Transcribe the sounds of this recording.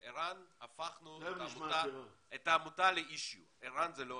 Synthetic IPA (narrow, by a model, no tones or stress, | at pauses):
iɾanafaχnuamut̪aet̪aːmut̪aleiʃju | iɾanzɛlo